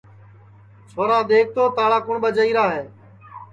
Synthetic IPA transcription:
t͡ʃʰoːɾaːɗ̪eːk̚ʰt̪oːt̪aːɭaːkʊɳɓəd͡ʒəiːɾaːɦeː

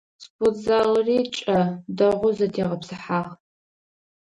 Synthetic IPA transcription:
spʰʊzaːlriːt͡ʃʼɐdɐʁʷʊzɐtʰeːʁɐpsɨħaːʁ

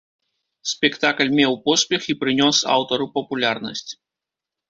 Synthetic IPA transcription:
sʲpʲɛkt̪aklʲmʲɛwpɔsʲpʲɛxipɾɨnʲɔsa̰wt̪ɔɾupɐpulʲarnɐ̰sʲt͡sʲ

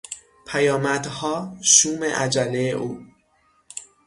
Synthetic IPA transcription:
pʰæjɒːmæd̪̥hɒːʃuːmḛʔæd͡ʒælːejeʔuː

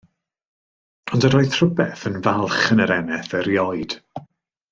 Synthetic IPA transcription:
ɔndəɾɔɨθr̥ʊbɛθənvalˠχənəɾɛnɛθəɾjɔɨd̥

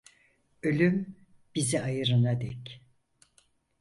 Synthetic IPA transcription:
ølʲym | b̥iziajɯɾɯnad̪ɛc

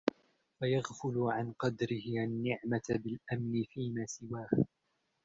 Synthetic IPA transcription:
fajaɣfʊlʊʕanqɑd̪ɾɪhɪʔanːɪʕmat̪bɪlʔamnɪfiːmaːsɪwaːh

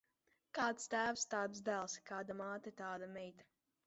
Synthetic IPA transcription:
kaːt̪st̪æːwst̪aːt̪sd̪ælˠskaːd̪amaːt̪ɐt̪aːd̪amʲɛjt̪ḁ

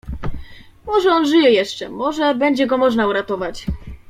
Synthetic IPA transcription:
mɔʐɛɔnʐɘjɛjɛʂt͡ʂɛmɔʐɛbɛɲd͡ʑɛɡɔmɔʐnauɾat̪ɔvat͡ɕ

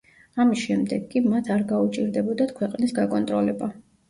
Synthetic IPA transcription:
amisʃɛmd̪ɛɡːʼimat̪ʰaɾɡaut͡ʃʼiɾd̪ɛbɔd̪at̪ʰkʰwɛqʼnisɡakʼɔnt̪ʼɾɔlɛba

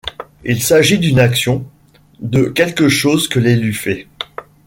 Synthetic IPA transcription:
ilsaʒid̪ynaksjɔ̃ | d̪əkʲɛlkəʃozkəlelyfɛ

